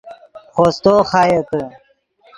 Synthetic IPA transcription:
xoːst̪oːxaːjekə

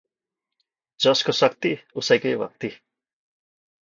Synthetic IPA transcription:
d͡ʒʌskosʌkt̪iusajkejʋa̰k̚t̪i

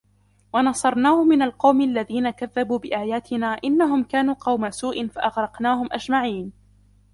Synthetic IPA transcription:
wɑnɑsˤɑɾˤnaːhʊmɪnalqɑwmalːaðiːnakaðːabuːbɪʔaːjaːt̪ʰɪnaːʔɪnːaɦʊmkaːnuːqɑwmasuːʔɪnfaʔɑɣɾˤɑqnaːɦʊmʔad͡ʒmaʕiːn

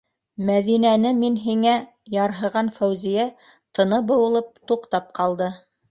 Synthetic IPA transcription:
mæðinænɘminɦiŋæ | jɑɾɦɤ̆ʁɑnfæwzijæ | t̪ɤ̆nɤbɤ̆wɤ̆lˠɤp̚t̪uqt̪ɑp̚qɑlˠd̪ɤ

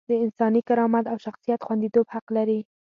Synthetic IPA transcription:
d̪əɪnsɑnikaɾɑmat̪awʃaxsijat̪xwand̪it̪obhaqlaɾi

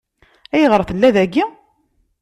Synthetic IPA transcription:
æjəʁɾˤθəlːæðæɡːi

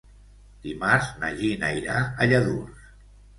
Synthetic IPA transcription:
d̪̥imaɾzna̰ʒinajɾaəʎəðurs

